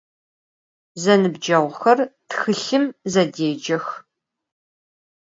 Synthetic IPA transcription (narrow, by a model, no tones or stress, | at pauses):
zɐnɨbd͡ʒɐʁʷxɐrtxɨɬɨmzɐdeːd͡ʒɐx